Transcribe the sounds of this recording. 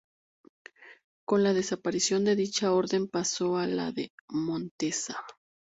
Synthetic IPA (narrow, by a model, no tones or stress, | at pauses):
ko̞nlaðe̞sapaɾisjo̞nd̪e̞ðit͡ʃao̞ɾðe̞mpaso̞ala̰ðḛmõnt̪e̞sa